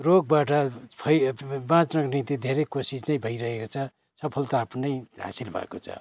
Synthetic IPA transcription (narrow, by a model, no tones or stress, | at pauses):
roɡ̚baʈʌpʰʌjbãt͡snʌɡnit̪id̪ʱeɾejkosisnʌj̃bʱʌiɾʌɦekot͡sʰʌ | sʌpʰʌlt̪aːpʰnːʌjɦa̰silbʱʌ̰ḛkot͡sʰʌ̰